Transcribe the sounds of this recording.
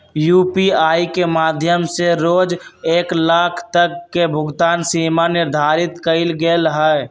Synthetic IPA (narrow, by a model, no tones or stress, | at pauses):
juːpiaːikemaːd̪ʱjəmseɾoːd͡ʒeːklaːkʰt̪əkːebʱʊɡt̪aːnsimanɪɾd̪ʱaːɾɪt̪kəɪlɡeelɦə